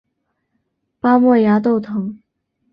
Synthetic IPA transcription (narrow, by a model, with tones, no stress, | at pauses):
pa˥mwɔ˥˩ja˧˥t̪̬o˥˩ʊt̪ʰɤ˧˥ŋ